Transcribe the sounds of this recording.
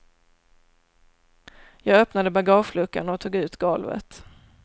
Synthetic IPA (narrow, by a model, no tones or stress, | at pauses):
jɑːɡœpnad̪əbaɡɑːʂlɵkːa̰nɔt̪ʰuːɡʉ̟ːt̪ɡɔlvə̰t̪